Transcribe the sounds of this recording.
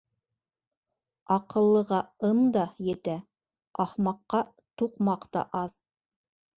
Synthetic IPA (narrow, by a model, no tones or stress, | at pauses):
ɑqɤ̆lˠːɤ̆ʁɑɤmd̪ɑjɘ̆t̪æ | ɑχmɑqːɑ | t̪uqmɑqt̪ɑ̰ʔɑð